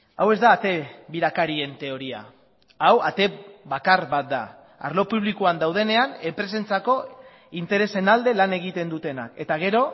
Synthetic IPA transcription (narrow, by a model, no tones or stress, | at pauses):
awe̞zd̪aːt̪e̞βiɾakaɾie̞nt̪e̞o̞ɾia̰ | awat̪e̞βakaɾβat̪̚d̪a̰ | a̰ɾlo̞puβlikuand̪awð̞e̞ne̞ane̞mpɾe̞se̞nt͡sako̞ | int̪e̞ɾe̞se̞nald̪e̞lane̞ɣ̞it̪e̞nd̪ut̪e̞nake̞t̪aɣ̞e̞ɾo̞